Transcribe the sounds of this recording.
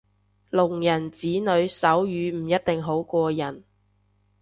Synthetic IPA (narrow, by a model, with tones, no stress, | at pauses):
lʊ˨˩ŋjɐ˨˩nt͡siː˨˥nɵ˨˧ɥsɐ˨˥wjyː˨˧m̩˨˩jɐ˥t̚t̪ɪ˨ŋɦo˨˥wkʷɔː˧jɐ˨˩n